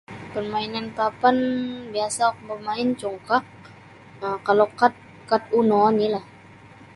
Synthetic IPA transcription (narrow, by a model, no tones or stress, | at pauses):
pərmainankapanbiasakbərmaɪnt͡ʃɔŋkaʔ | əkalokat̪̚ | kat̪̚unɔnilah